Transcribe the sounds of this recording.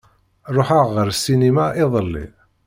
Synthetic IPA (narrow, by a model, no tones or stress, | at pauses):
ɾˤoħaʁːəɾsinimaʔɪðˤəlːḭ